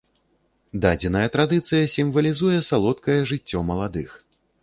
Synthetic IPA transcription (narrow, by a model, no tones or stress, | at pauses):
d̪ad͡zʲinɐjɐt̪ɾad̪ɨt̪sɨjɐsʲimvɐlʲizujɛsalˠɔt̪̚kɐjɛʐɨt͡sʲːɔmɐlˠad̪ɨx